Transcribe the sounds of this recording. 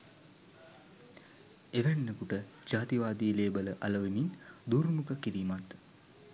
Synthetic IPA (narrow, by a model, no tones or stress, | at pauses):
eʋænːəkuʈə | d͡ʒaːt̪iʋaːd̪iəleːbələʔɐləʋemind̪urmukəkiɾiːmat̪